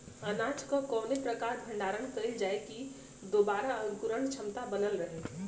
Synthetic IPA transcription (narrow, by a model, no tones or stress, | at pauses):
ənatʰkɔkɔːnepɾəkaɾbʱə̃ɳɖaːɾənkəjld͡ʒaeki | d̪obaɾaənkuɾəɳt͡ʃʰəmt̪abənəlɾəɦe